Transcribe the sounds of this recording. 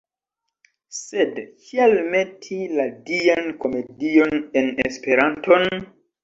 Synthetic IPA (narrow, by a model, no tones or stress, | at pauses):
sedkialme̞tʰiladianko̞me̞dio̞nenespe̞ɾanto̞n